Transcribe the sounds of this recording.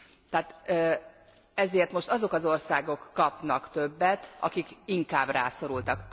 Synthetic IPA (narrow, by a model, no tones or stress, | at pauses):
t̪ɛːt̪ː | ɛzeːrt̪mo̞ʃt̪ɒzo̞kɒzo̞rsaːɡo̞kːɒpnɒkt̪øbːɛt̪ɒ̰kikiŋkaːbra̰ːso̞ɾult̪ɒkː